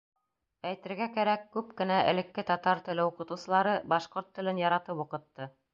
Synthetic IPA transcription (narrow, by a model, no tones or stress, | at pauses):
æjt̪ɘ̆ɾɡækæɾækːʉp̚kɘ̆næʔɘ̰̆lɘ̆kːɘt̪ɑt̪ɑɾt̪ɘ̆lɘuqɤ̆t̪ŭsɤ̆lˠɑɾɤbɑʃqoɾt̪ːɘ̆lɘnjɑɾɑt̪ɤpŭqɤ̆t̪ːɤ